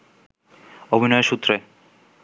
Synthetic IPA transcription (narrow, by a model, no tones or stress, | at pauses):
obʱinɔeʃut̪ːɾe